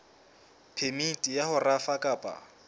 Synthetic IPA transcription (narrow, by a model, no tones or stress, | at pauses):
pʰemitʼijahʊrafakʼaːpʼa̰